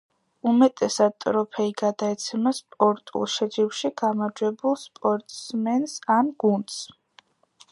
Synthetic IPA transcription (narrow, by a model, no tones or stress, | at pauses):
umɛt̪ʼɛsad̪̚t̪ʼɾɔpʰɛiɡad̪aɛt̪sʰɛmaspʼɔɾt̪ʼṵlˠʃɛd͡ʒiwʃiɡamaɾd͡ʒwɛbulˠspʼɔɾt̪ʼsmɛnsamɡ̥und̪s